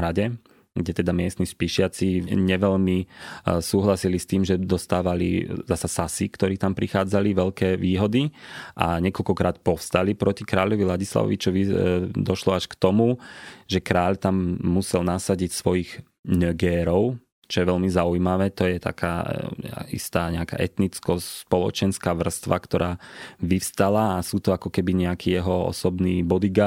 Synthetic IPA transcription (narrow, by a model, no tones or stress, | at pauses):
ɾaɟɛ | ɡɟɛt̪ɛd̪amɪɛst̪niʃpiʃɪat͡siɲɛʋɛʎmisuːɦlasilist̪iːmʒɛd̪ɔst̪aːʋalḭzasasasikt̪ɔɾiːt̪ampɾixaːd͡zaliʋɛʎkɛːʋiːɦɔd̪iʔa̰ɲɛkɔlkɔkɾaːt̪pɔfst̪alipɾɔcikɾaːʎɔʋilaɟisla̰ʋɔ̰ʋit͡ʃɔʋid̪ɔʃlɔaʃkt̪ɔmuʒɛkɾaːʎt̪amːusɛlnasaɟicsʋɔjiɣ | nœɡɛːɾɔʊ | t͡ʃɔjɛʋɛʎmizaujmaʋɛːt̪ɔjɛt̪a̰kʰa̰ː | ḭst̪aːɲɛaka̰ːʔɛt̪nit͡skɔspɔlɔ̰t͡ʃɛnskaːʋr̩st̪ʋakt̪ɔɾaːʋifst̪alaːsuːt̪ɔakɔkɛbiɲɛakiːjɛɦɔɔ̰sɔbniːbɔd̪iɡa